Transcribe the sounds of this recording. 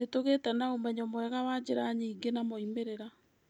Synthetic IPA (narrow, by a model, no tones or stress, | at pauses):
etoɣetɛnaomɛɲɔmwɛɣawad͡ʑeɾaɲiːŋɡenamɔimeɾeɾa